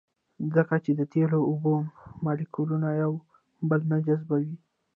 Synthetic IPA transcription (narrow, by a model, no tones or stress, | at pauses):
zəkat͡ʃed̪ət̪eloːbomɑlikulunajaw | bəlnad͡ʒazbawi